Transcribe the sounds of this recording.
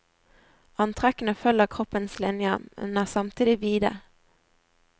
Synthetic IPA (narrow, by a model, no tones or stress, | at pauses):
ɑnt̪ʰʁɛkənəfœləʁkʰʁɔpənslɪnjɪəmmʔɛ̰næːʁsɑmt̪ʰiːd̪ɪʋiːd̪ə̰